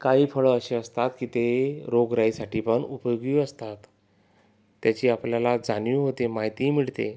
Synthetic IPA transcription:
kaɦiːfəɭəəɕeəst̪at̪kiːt̪eɾoɡɾaisaʈiːpəɳupjoɡiːəst̪at̪ | jat͡ɕiːapljalad͡zaniɦot̪emaɦjt̪iːmiɭt̪ḛ

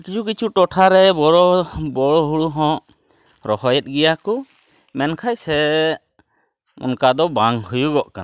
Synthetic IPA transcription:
kid͡ʒukit͡ʃʰuʈɔʈʰaɾɛbɔɾɔbɔɽɔɦuɽuɦɔ̃ʔ | ɾɔhɔjɛt̪̚ˀɡɛjaku | mɛnkʰajsɛ | ɔ̰nkad̪ɔbaŋhujuɡɔʔka̰n

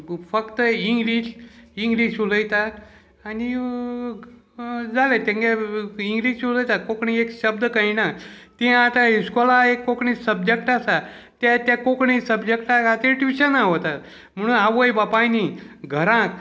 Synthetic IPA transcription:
fəkt̪əiŋɡliɕiŋɡliɕuləjt̪a | ani | d͡zalet̪ẽŋɡeiŋɡliɕuləjt̪akokɳiekɕəb̚d̪əkainat̪ĩat̪ãskɔlaekːokɳisəb̚d͡ʑekʈasa | t̪jat̪jakokɳisəbd͡ʑekʈaat̪eʈʋiɕənaɦot̪at̪ | m̤əɽ̃uːnaʋojbapãniɡʱəɾãk

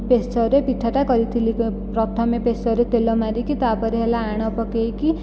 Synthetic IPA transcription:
pest͡ʃɔɾepiʈʰːaʈakʌɾit̪ʰilippɾʌt̪ʰʌmepestʌɾet̪elɔmaɾikit̪apʌɾiɦelaːɽ̃ʌpɔkejki

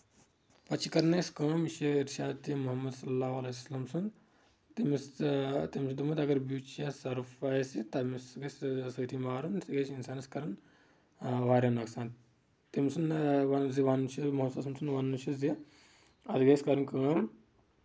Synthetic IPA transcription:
pɐt͡ʃʰikɐɾnɐskɐ̃ːmiʃeiɾʃaːd̪t̪imuɦɐmːɐd̪sɐlːaːwɐlɐslɐmsun | t̪imist̪imsunt̪umut̪ɐɡɐɾbuːt͡ʃasɐɾfaːjsit̪ɐmisɡɐssɐːt̪ʰimaːɾunsɡɐt͡ʃinsaːnɐskɐɾɐn | ʋaːɾʲɐnɐksaːnt̪ | t̪imsunʋaziʋanʃimɐɦsɐsɐmsunʋanːuʃizi | ɐd̪ɡɐskɐɾɐnkɐːm

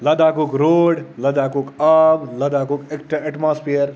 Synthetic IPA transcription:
lɐd̪aːkukɾoːɖlɐd̪aːkukablɐd̪aːkukekʈɐɛʈmaːspʰijəɾ

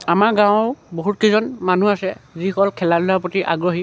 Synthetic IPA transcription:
amaɹɡãwʊ̃boɦut̚kizɔnman̤uasɛziɔkɔlkʰɛlalʊlapotiʔa̰ɡɹoɦi

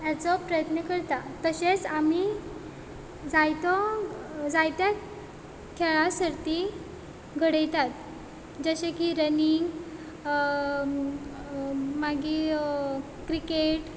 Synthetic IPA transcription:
jjat͡sɔpɾəjət̪nəkəɾt̪at̪əɕet͡sami | d͡zajt̪ɔ | d͡zajt̪ja | kʰɛɭasəɾt̪i | ɡʱəɽejt̪at̪ | d͡zəɕekiɾəniŋɡ | maɡi | kɾikeʈ

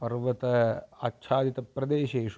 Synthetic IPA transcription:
pɐɾʋɐt̪ɐɐtːʃʰaːd̪it̪ɐpɾɐd̪eːʃeːʂ

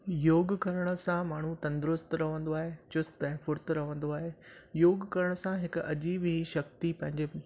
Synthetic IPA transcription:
joːɡkɐɾəɽ̃ə̆sãmaːɳ̤ut̪ɐ̃nd̪ɪɾʊst̪ɾɐʋə̃nd̪oaːɦeːt͡ɕʊst̪ɛ̃ɦɪ̃fʊɾt̪ɾɐʋə̃nd̪oaːɦeːjoːɡkɐɾəɽ̃sãɦɪkɐd͡ʑiːbɦiʃɐk̚t̪ipɐ̃ɦɪ̃ɲd͡ʑe

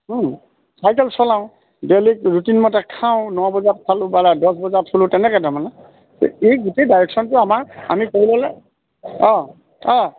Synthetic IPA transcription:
sʰajkɛlsɔlãʊ̃ | dɛlik̚ɹutinmɔtakʰãʊ̃nɔabɔzat̚sʰalʊbaladɔsbɔzatʰolʊtɛnɛkadʱamana | tḛejɡutedajɹɛksɔntʊamaɹa̰mikoɹilɔlɛ | ɔ̃ | ɔ̃

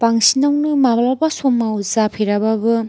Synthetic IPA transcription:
paŋsinawnɯmablabasomawzapʰeɾababɯ

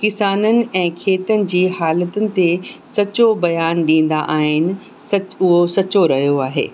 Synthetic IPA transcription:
kɪsaːnənɪ̆ɛ̃ːkʰeːt̪ənɪ̆d͡ʑiːɦaːlət̪ənɪ̆t̪esɐt͡ɕobɐjaːnɗĩːn̆d̪aʔaːɦɪnɪ̆ | sɐt͡ɕʊɦosɐt͡ɕoɾɐɦijoaːɦḛː

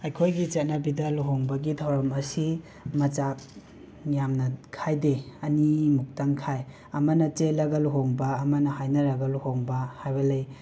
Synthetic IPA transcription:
ɐjkʰojɡit͡ʃɐt̚nɐbidɐluɦoŋbɐɡidʱawɾɐmɐsi | mɐt͡ʃak̚ | jamnɐkʰajdeɐnimuk̚taŋkʰaj | ɐmɐnɐt͡ʃelɐɡɐluɦoŋbɐːmɐnɐɦajnɐɾɐɡɐluhoŋbɐhajbɐlej

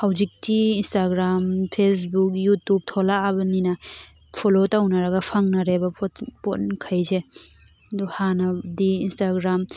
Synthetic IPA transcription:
hawzik̚tiːnstaɡɾampʰes̬buk̚jutub̚tʰolaːbɐninɐ | pʰolotawnɐɾɐɡɐpʰaŋnɐɾebɐpponkʰajze | duhanɐdiːnstaɡɾam

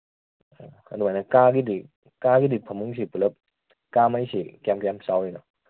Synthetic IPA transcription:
akʰaduanakaːɡidi | kaːkidipʰamɯŋs̬ipɯləp̚ | kaːmajsikɛmkɛmsawinɔ

